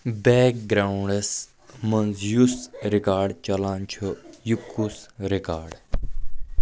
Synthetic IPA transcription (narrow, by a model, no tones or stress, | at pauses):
beːk̚ɡɾaːɳɖes | mɐnzjusɾikaːɾɖt͡ʃɐlaːnt͡ʃʰujukːusɾikaːɾɖ